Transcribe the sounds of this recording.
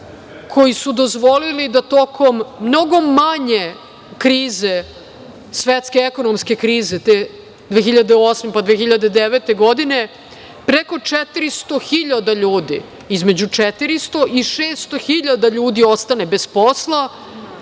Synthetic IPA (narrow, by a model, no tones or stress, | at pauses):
kʰo̞jisud̪o̞zʋo̞lilid̪at̪okʰo̞mːno̞ɡo̞maɲe̞ | kɾiːze | sʋet̪skeeko̞nomske̞kɾiːzet̪e | d̪ʋeːxiʎad̪eosmepad̪ʋeːxiʎad̪ed̪eʋet̪e̞ɡo̞d̪ine̞ | pɾeko̞t͡ʂɛt̪iɾist̪o̞xiʎad̪aʎuːd̪ḭ | izme̞d͡ʑut͡ʂet̪iɾist̪o̞ʔiʃeːst̪o̞xiʎad̪aʎuːd̪io̞st̪ane̞be̞sposlˠa